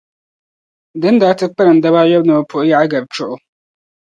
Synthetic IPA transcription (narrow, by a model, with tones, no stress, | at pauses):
dɪ˦n˦daː˨˦tɪ˦k͡pɛ˦ɾɨ˨n̩˨da˦βaː˦jɔ˦bnɔ˨pʰʊ˨ʔja˦ʔa˦ɡa˨b̚t͡ʃʊ˦ʔʊ˦